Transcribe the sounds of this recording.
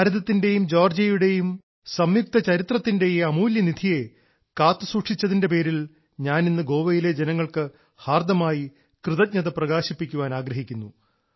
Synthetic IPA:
aɾɐðɐt̪ːinde̞jumd͡ʑo̞ːrd͡ʑɐjuɽe̞jum | sɐmjuk̚t̪ɐt͡ɕɐɾit̪rɐt̪ːinde̞jeɐmuːljɐnid̪ʱije̞ | kaːt̪ːɨsuːʈʂit͡ɕːɐðinde̞p̬e̞ːɾil | ɲaːninːɨɡo̞ːʋɐjile̞d͡ʑenɐŋːɐɭkɨ | haːrd̪ɐmaːji | krɨðɐt̚ɲɐðɐprɐɣaːɕipːikʲːuʋaːnaːɡɾɐɦikʲːunːu

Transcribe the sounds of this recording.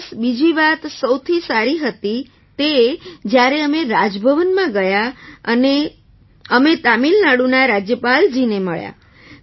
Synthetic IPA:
sbid͡ʒiʋat̪səwt̪ʰisaɾiɦət̪i | t̪ed͡ʒjaɾeəmeɾad͡ʒbʱəʋənmãɡəjaəne | əmet̪amilnaɽunaɾad͡ʒjəpald͡ʒineməɭja̰

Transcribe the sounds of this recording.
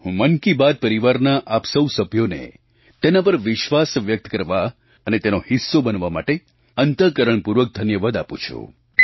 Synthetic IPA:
ɦũmənkibad̪̚pəɾiʋaɾnaʔapsəwsəbʱjonḛ | t̪enapəɾʋɪʃʋasʋjək̚t̪kəɾʋa | ənet̪enohɪsːobənʋama̰ʈe | ənt̪əkəɾəɳpuɾʋək̚d̪ʱənjəʋad̪apṵ̃t͡ʃʰṵ

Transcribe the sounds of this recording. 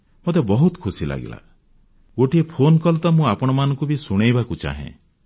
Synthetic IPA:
mot̪ebɔɦut̪kʰusila̰ɡḭla̰ | ɡoʈiepʰonkɔlt̪ɔmũapɔɽ̃ɔmanɔŋkubisuɽ̃ejbakut͡ʃa̰ɦḛ̃

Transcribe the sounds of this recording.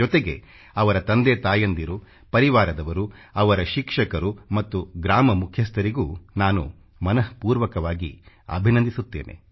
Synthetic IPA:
ɔt̪eɡe | ɐʋɐɾɐt̪ɐnd̪et̪aːjɐnd̪iɾu | pɐɾiʋaːɾɐd̪ɐʋɐɾuɐʋɐɾɐʃikʂɐkɐɾumɐt̪ːuɡɾaːmɐmukʰjɐst̪ʰɐɾiɡuːnaːnṵ | mɐnɐɦpuːɾʋɐkɐʋaːɡḭ | ɐ̰bʱinɐnd̪isut̪ːḛːne̞̰

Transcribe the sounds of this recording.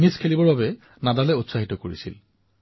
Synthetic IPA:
niskʰelibɔɹbabɛ | nadalɛutsaɦitɔkoɹisḭl

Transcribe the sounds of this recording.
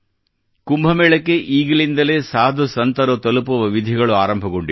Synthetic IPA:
kumbʱɐmɛːɭɐkːeʔiːɡɐlind̪ɐle̞ːsaːd̪ʱusɐnt̪ɐɾɐt̪ɐlupuʋɐʋid̪ʱiɣɐɭuaːɾɐmbʱɐɣoɳɖi

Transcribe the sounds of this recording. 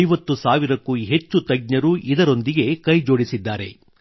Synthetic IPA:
jʋɐt̪ːusaːʋiɾɐkːuɦet͡ʃːut̪ɐɡ̚ɲɐɾuʔid̪ɐɾo̞nd̪iɡe̞kɐjd͡ʒo̞ːɽisid̪ːaːɾe̞̰

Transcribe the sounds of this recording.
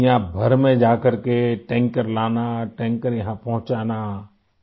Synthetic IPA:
jãbʱəɾmẽd͡ʒaːkəɾkeʈɛ̃ːŋkəɾlaːnaʈɛ̃ːŋkəɾjɐɦãpɐ̃ɦʊ̃t͡ʃaːna

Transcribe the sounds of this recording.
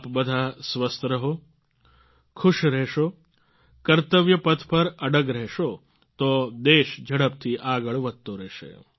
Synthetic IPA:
pbɐd̪ʱasʋəst̪ɾɐɦo | kʰʊʃɾɛːʃoː | kɐɾt̪əʋjɐpɐt̪ʰpɐɾɐɽəɡɾɛɦʃo | t̪oːd̪eːʃd͡ʒʱɐɽəp̚t̪ʰiʔaːɡəɭʋɐd̪̚t̪oɾɛɦʃḛː

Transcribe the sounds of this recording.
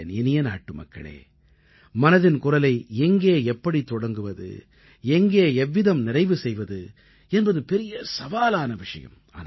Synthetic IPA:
nɛnɪjɐna̰ːʈːɯmɐ̰kːɐ̰ɭḛː | mɐnɐðɪnkʊrɐlɐɪɛŋɡeːɛpːɐɽit̪ːɔɽɐŋɡɯʋɐðɯ̰ | ɛŋɡeːɛʋːɪðɐmnɪɾɐɪʋɯsɛjʋɐðɯ | ɛnbɐðɯpɛɾɪjɐsɐʋaːlaːnɐʋɪʂɐjɐ̰m | a̰ːn

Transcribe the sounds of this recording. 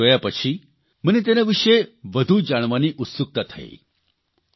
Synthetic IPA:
ojapəɕʰiː | m̤ənet̪̬enaʋiʂejʋəd̪ʱuːd͡ʑaɳ̃ʋaniːʔut̪suk̚t̪at̪ʰa̰ḛ

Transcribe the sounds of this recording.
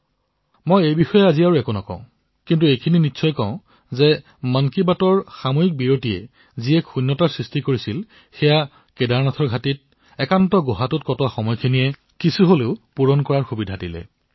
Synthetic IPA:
mojejbixɔjɛaziaɹuɛkunɔkɔ̰̃ʊ̃ | kintuejkʰininitːsʰɔjkɔʊ̃ | zɛ | mankibatɔɹxamojik̚biɹotijɛ̰ | ziɛkxunːɔtaɹsɹistikoɹisil | xɛja | kedaɹnatʰɔɹɡʱatit̚ | ɛkantɔɡɔɦatut̚kɔtɔwaxɔmɔjkʰiniɛ | kisuɦoleʊpuɹɔnkɔɹaɹxubidʱadilɛ̰

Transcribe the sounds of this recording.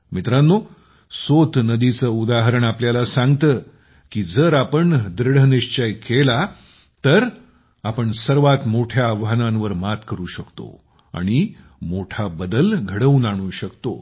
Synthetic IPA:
mit̪ɾanːo | sot̪nəd̪it͡səud̪aɦəɾəɳapljalasãŋɡt̪ə | kiːd͡zəɾapəɳd̪ɾɽ̤əniɕt͡ɕəjkela | t̪əɾ | apəɳsəɾʋat̪moʈʰjaːʋɦanãnʋəɾmat̪kəɾuːɕəkt̪o̰ | a̰ɽ̃i | moʈʰabəd̪əlɡʱəɽəunaɽ̃ũːɕəkt̪o̰

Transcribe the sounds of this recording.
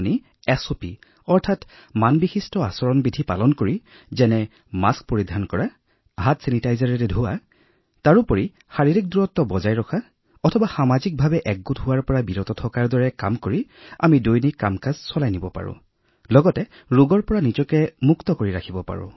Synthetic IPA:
ni | ɛsopi | ɔɹtʰat | manbixistɔasɔɹɔnbidʱipa̰lɔnkoɹi | zɛnɛ | mask̚poɹidʱankɔɹa | ɦatsinitajzaɹɛɾɛdʱʊwa | taɹupoɹi | xaɹiɹik̚duɹɔtːɔbɔzajɹɔkʰa | ɔtʰɔbaxamazik̚bʱabɛʔɛk̚ɡutʊwaɹpɔɹabiɹɔtɔtʰɔkaɹdɔɹɛka̰mkoɹi | a̰midojnikːamkazsɔlajnibɔpa̰ɹʊ̰̃ | lɔɡɔtɛ | ɹuɡɔɹpɔɹanizɔkɛmuktɔkoɹiɹakʰibɔpa̰ɹʊ̰̃

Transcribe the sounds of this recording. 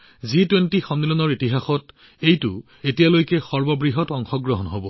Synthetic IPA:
zitwentixɔnːilɔnɔɹitiɦaxɔt | ejtʊ | etijalojkɛxɔɹbɔbɹiɦɔtɔŋxɔɡɹɔɦɔnɦobɔ

